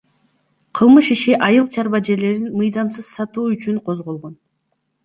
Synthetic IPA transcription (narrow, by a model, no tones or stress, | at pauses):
qʰɯlˠmɯʃiʃiʔɑjɯlˠt͡ʃʰɑɾβɑd͡ʒe̞ɾle̞ɾinmɨjzɑmsɯz̥sɑt̪uːyt͡ʃyɴqʰo̞zʁo̞lˠʁo̞n